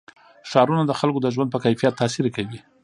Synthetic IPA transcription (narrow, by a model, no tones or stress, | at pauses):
ʃɑɾunad̪əxalkod̪əʒwand̪̚pəkajfijat̪ːɑsiɾekawi